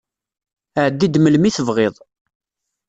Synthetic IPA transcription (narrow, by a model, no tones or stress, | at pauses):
əʕəd̪ːid̪məlmiθəvʁeðˤ